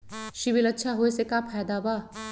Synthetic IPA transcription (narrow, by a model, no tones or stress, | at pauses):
ʃɪʋilɐtːʃʰaɦoesekapʰɛːd̪abaː